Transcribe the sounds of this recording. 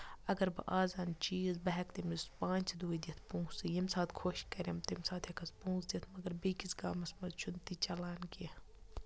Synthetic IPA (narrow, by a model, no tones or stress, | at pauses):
ɐɡɐɾbɐ̰ʔaːzaːnt͡ʃiːzbɐɦɛkt̪imispãːnt͡ʃʰd̪uːid̪it̪ʰpũːsijimsaːt̪kʰoʃkɐɾʲemt̪msaːt̪ʰhɐkʰɐspũːsd̪ʲit̪ʰmɐɡɐɾbekisɡaːmɐsmɐzt͡ʃʰunt̪it͡ʃɐlaːnki